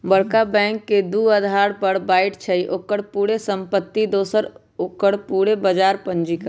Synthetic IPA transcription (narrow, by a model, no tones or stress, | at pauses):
bəɽkabɛ̃ːŋkːed̪uəd̪ʱaːɽpəɽbaːɪʈt͡ʃʰəiʔokəɽpuːɽesəmpət̪ːid̪oːsəɾ | okəɽpuːɽebəd͡ʒaːɾpənd͡ʒika